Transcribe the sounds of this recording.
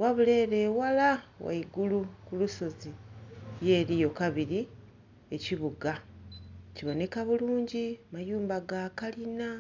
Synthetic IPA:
waβule̞ːɾe̞ːwalawa̰iɡulukuluso̞zije̞ːɾijo̞kaβiɾi | e̞ciβuɡa | ciβo̞ne̞kaβuluːɲɟimajuːmbaɡakalina

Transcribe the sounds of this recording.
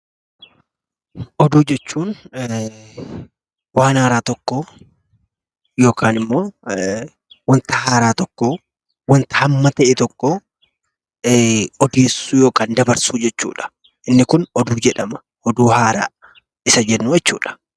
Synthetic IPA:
ʔɔd̪uːd͡ʒɛt͡ʃːuːn | waːnhaːɾaːt̪ɔkːo | jo̞ːkaːnɪmːoː | wɐnt̪ɐhaːɾaːt̪ɔkːo | wɐnt̪ɐ̥hɐmːɐt̪ɐʔɛt̪ɔkːɔ | ɔd̪iːsːuːjo̞ːkaːnd̪ɐbɐɾsuːd͡ʒɛt͡ʃːṵːᶑɐ̥ | ʔɪnːɪkʊnɔd̪uːd͡ʒɛᶑɐmɐ̥ | ɔd̪uːhaːɾa̰ː | ɪsɐd͡ʒɛnːuːjɛt͡ʃːṵːᶑɐ̥

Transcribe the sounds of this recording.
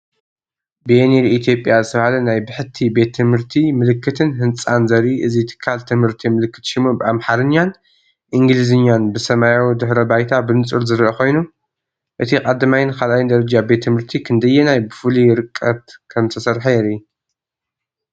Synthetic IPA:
beeneɾit̪ʰjo̞pʼjazɨt̪ʰɐβhalɐnajbɨħɨt̪ʰːibe̞t̪ʰːɨmhɨɾt̪ʰimɨlɨkʰːɨt̪ʰɨnɦɨnt͡sʼanzɐɾiʔɨzit̪ʰɨ̥kʰːalt̪ʰɨmhɨɾt̪ʰimɨlɨkːɨt̪ʃimubɨamħaɾɨɲːan | ʔɨŋɡɨlizɨɲːanbɨsɐmajawid̪ɨħɾɐbajt̪ʰabɨnɨt͡sʼɨɾzɨɾʔɐko̞jnu | ʔɨt̪ʰikʼad̪ɐmajɪnkʰalajind̪ɐɾɐd͡ʒabe̞t̪ʰːɨmɨɾt̪ʰikʰɨnd̪ɐjːɛnajbɨfulijɪɾɨkʼːɐt̪kʰɐmt̪ʰɐsɐɾħɐjɛɾi

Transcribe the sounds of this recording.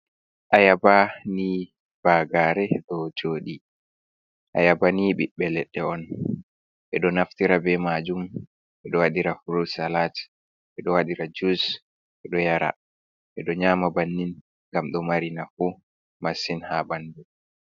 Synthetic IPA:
ʔajabani | b̥aɡaɾɛɗɔd͡ʒoːɗi | ʔa̰jabaniːɓiɓːɛlɛɗːɛɔn | ɓɛɗɔnaftiɾabɛmad͡ʒum | ɓɛɗɔwaɗiɾafuɾusalat | ɓɛɗɔwaɗiɾad͡ʒus | ɓɛɗɔjaɾa̰ | ɓɛɗɔɲaːmabanːin | ŋɡamɗɔmaɾinafu | masinhabandu

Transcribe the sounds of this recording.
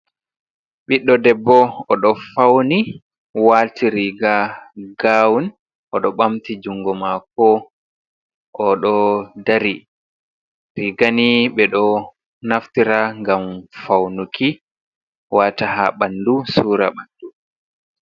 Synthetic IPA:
ɓiɗːɔdɛbːɔɔɗɔfawni | waltiɾiɡaɡaːwun | ʔɔɗɔɓamtid͡ʒuŋɡɔmakɔ | ʔɔɗɔdaɾi | ɾiɡaniɓɛɗɔ | naftiɾaŋɡamfawnukʰi | wataɦaɓandusuːɾa̰ɓandu

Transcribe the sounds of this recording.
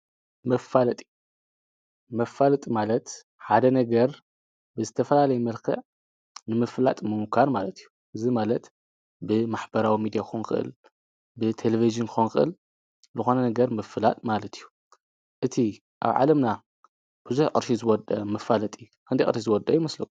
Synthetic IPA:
mɐfalɐt̪ʼi | mɐfalɐt̪ʼimalɐt̪ | ħad̪ɐnɐɡɐɾ | bɨzɨt̪ʰɐfɐlalɐjɛmɐlkʰɐ̰ʕ | nɨmɨflat̪ʼmɨmkʰaɾmalɐt̪ʰijːuʔɨzimalɐt̪ | bɨmaħbɐɾawimid̪ijakxonxɨʔɨ̰l | bɨt̪ʰeleviʒɨnkʰɨxonxɨʔɨ̰l | zɨxo̞nɐnɐɡɐɾmɐfːɨlat̪ʼmalɐt̪ʰijːu | ʔɨt̪ʰi | ʔa̰βʕa̰lɐmna | b̥ɨzuħʔɨ̰ɾʃizɨwɔd̪ɐmɐfalɐt̪ʼi | kʰɨnd̪iʔʼɨ̰ɾʃizɨwɔd̪ɐjumɐslɐk

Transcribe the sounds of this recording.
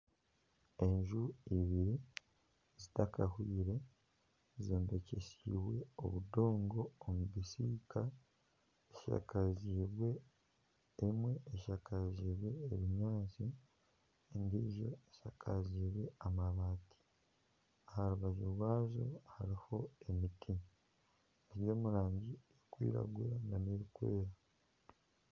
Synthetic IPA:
e̞ɲʒuiβiɾi | zitakahwiːɾe̞ | zoːmbe̞ce̞siwe̞o̰βudo̞ːŋɡo̞ːmuβisiːka | eʃa̰kaziːβwe̞ː | mwe̞ːʃakaziːβwe̞ːβiɲaːt͡ʃi | ndiːʒo̞̰eʃakʰaziːβwe̞amaβaːti̥ | ahaɾuβaʒoɾwaːzo̰haɾiho̞e̞mitʰi | eɾjo̞ːmuɾaːɲɟiekwḭːɾa̰ɡweɾaɡaneikwe̞̰ːɾa

